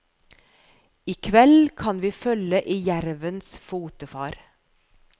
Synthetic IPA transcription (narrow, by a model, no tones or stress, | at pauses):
iːkʰʋɛlkʰɑnʋiːfœləʔiːjæɾʋənsfuːt̪əfɑːɾ